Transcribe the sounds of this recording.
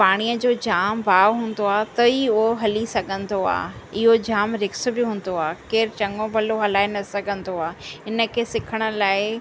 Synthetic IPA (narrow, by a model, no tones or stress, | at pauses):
paːɽ̃ijəd͡ʑoːd͡ʑaːmbaːʋɦũːn̆d̪oaːt̪ɐiʊɦoɦɐlisɐɡʱə̃nd̪oa̰ːɪɦod͡ʑaːmɾɪks̆bɪɦũːn̆d̪oaːkeːɾt͡ɕɐ̃ŋɡõbʱɐloɦɐlaːɪnɐsɐɡʱə̃nd̪oaːɪnə̆kʰeːsɪkʰəɽ̃ə̆laːɪ